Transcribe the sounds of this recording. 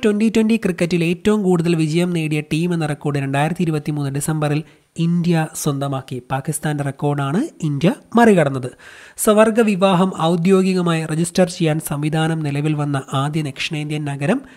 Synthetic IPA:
twɐnditwɐndikrikːɐtːile̞ːtːɐʋumkuːɽuðɐlʋid͡ʑɐjɐmne̞ːɽijɐʈiːme̞nːɨrekːo̞ːrɖɨɾe̞ɳɖaːjiɾɐt̪ːiɾubɐt̪ːimuːnːɨɖisɐmbɐril | ind̪jɐswɐnd̪ɐmaːkːipaːkist̪aːnderekːo̞ːrɖaːɳɨind̪jɐmɐrikɐɽɐnːɐðɨsɐʋɐrɡɐʋiʋaːɦɐmɐwud̪jo̞ːɡiɣɐmaːjired͡ʑistɐrt͡ɕe̞jːaːnsɐmʋid̪ʱaːnɐmnilɐʋilʋɐnːɐʔaːd̪jɐnekʂɐɳɐjnd̪jɐnɐɡɐɾɐm

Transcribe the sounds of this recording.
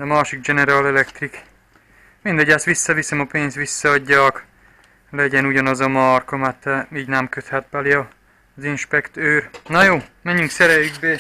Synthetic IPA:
ɒmaːʃiɡd͡ʒɛnɛɾaːlɛlɛkt̪rik | mind̪ɛɟasʋisːɒʋisɛmɒpeːnst̪ʋisːɒɒɟːɒk | lɛɟɛnuɟɒnɒzɒmɒrkomat̪ːɛiːɟnɛmkøt̪hɛt̪̚bɛliɒ | zinʃpɛkt̪øːrnɒjoːmɛɲːyŋksɛɾɛjyɡbeː

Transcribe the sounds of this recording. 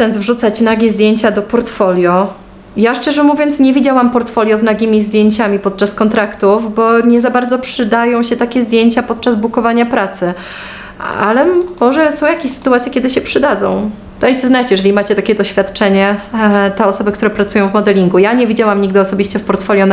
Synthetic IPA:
sɛnsvʐut̪sat͡ɕnaɡʲizd̪ʲjeɲt͡ɕad̪ɔpɔɾt̪fɔlʲjɔ | jaʂt͡ʂɛʐɛmuvʲjɔnt̪sɲɛvʲid͡ʑawampɔɾt̪fɔlʲjɔznaɡʲimʲizd̪ʲjeɲt͡ɕamʲipɔt̪̚t͡ʂaskɔnt̪ɾakt̪ufbɔɲɛzabaɾd̪zɔpʂɘd̪ajɔ̃w̃ɕɛt̪akʲɛzd̪ʲjeɲt͡ɕapɔt̪̚t͡ʂazbukɔvaɲapɾat̪sɘ | a̰lɛmːɔʐɛsɔ̃w̃jakʲeɕsɘ̥t̪uwat̪sʲjekʲɛd̪ɘɕɛpʂɘd̪ad̪zɔ̰̃w̃ | d̪̥aj̪sɨznat͡ɕjɛʐɛlʲimat͡ɕɛt̪akʲɛd̪ɔɕfʲjat̪t͡ʂɛɲɛt̪ɛɔsɔbɘkt̪uɾɛpɾat̪sujɔ̃w̃vmɔd̪ɛlʲiŋɡujaɲɛvʲid͡ʑawamɲiɡd̪ɘɔsɔbʲiɕt͡ɕɛfpɔɾt̪fɔlʲjɔn

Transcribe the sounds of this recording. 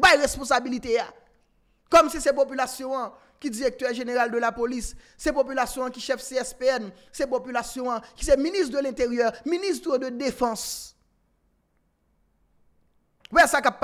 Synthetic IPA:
bajʁespɔ̃sabilit̪ea | kɔmsisɛp̬opylasjɔ̃ɐ̃ | kid͡ziʁɛk̚t̪œʁʒeneʁald̪ølapolisː | ɛpopylasjɔ̃ãkiʃɛfseɛspeɛn | sɛpopylasjɔ̃ãki̥sɛminist̪d̪ølɛ̃t̪eʁjœʁminist̪ʁəd̪ød̪efɑ̃s | wɛsakapː

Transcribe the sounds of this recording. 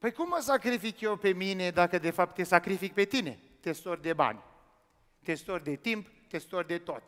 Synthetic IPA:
pəjkumːəsakɾifikjewpe̞mine̞d̪akəd̪e̞fap̚t̪ːe̞sakɾifik̚pe̞t̪ine̞̰ | t̪e̞st̪orʲd̪e̞ba̰nʲ | t̪e̞st̪orʲd̪e̞t̪imp | t̪e̞st̪orʲd̪e̞t̪o̞t̪ʲ

